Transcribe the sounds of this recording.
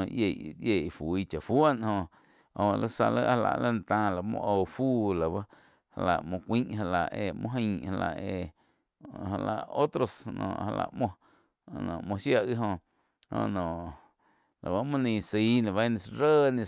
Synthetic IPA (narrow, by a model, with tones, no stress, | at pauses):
ʔje˧˨je˦˨fu˨i˦t͡ʃa˨fwa˦nhõ˧ | o˧õ˧lə˦sa̰˧lə̰˦ʔha˧la̰˧˨ʔlə˦˨n˧t̪ãː˧la˨˧˦mõ̰˧ʔo˧fuː˦la˨ba˦ | ha˧la˨ʔmõ˧kʷĩ˦ʔɦa˧la˨ʔe˧mõ˦ɦə̃˧ha˧la̰˨ʔe˧ | ɦa˧la˧˨ʔo˦t̪ɾo˧snɔ̰̃ː˨ʔha˧la̰˧˨mõ˧˨ | nõ̰˨mõ˧ʃja˧ʔɣi˦ɦõ˧ | õ̰˧nõ˨ʔ | lʔa˨ba˦mũ˦nĩ˧si˨˦na˨βa˦nĩ˧sɾəː˦nĩ˧